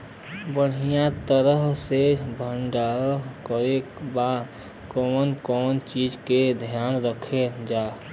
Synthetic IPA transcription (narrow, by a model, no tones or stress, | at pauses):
bəɽ̤ijãt̪əɾəɦsebʱəɳɖakəɾeba | kɔːnkɔːnt͡ʃid͡ʒked̪ʱjaːnɾəkʰed͡ʒaː